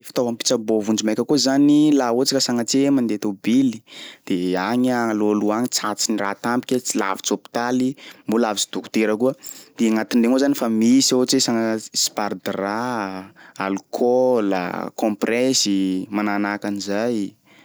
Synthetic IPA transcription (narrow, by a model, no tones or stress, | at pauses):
fi̥t̪ovampi̥t͡sabovund͡ʒimajkʲəkuzanilaot͡sikəsaŋat͡semand̪et̪obili̥d̪̥eaɲaŋaloaluaŋit͡sat͡sinirat̪ampi̥kʲat͡sila̰vit͡sopi̥t̪alimbolavit͡si̥d̪uku̥t̪eɾəkuəd̪̥eaŋat̪inɖ͡ʐeŋozanifamisiot͡sesaŋaspard̪ra | alukʰola̰kɔ̃mprɛsimananakanizaj